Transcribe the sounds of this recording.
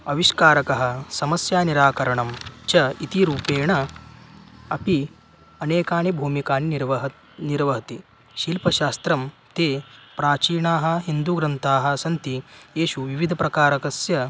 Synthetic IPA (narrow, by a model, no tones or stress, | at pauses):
ɐʋiʃkaːɾɐkɐɦɐ̆sɐmɐsjaːniɾaːkɐɾɐɳɐmt͡ʃɐit̪iɾuːpeːɳɐ | ɐpi | ɐneːkaːnibʱuːmikaːniɾʋɐ | niɾʋɐɦɐt̪i | ʃiːlpɐʃaːst̪ɾɐm | t̪eːpɾaːt͡ʃiːɳaːɦɐ̆ɦind̪uɡɾɐnt̪aːɦɐ̆sɐnt̪ijeːʃuʋiʋid̪ʱɐpɾɐkaːɾɐkɐsjɐ